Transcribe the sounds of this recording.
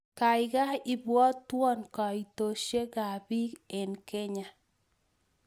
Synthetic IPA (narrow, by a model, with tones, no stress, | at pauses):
ka˨ɪɡa˦i˨bwɔ˦t̪ːwɔ˦nkɔ˨i˨t̪o˨ʃje˦ɡa˨bi˦ke˨nke˦ɲa˨